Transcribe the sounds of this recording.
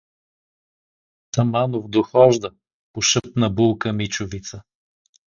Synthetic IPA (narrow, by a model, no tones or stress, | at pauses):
t̪ɐmanovd̪oxɔʒd̪ə | poʃəpnəbulˠkəmit͡ʃʊvit̪sə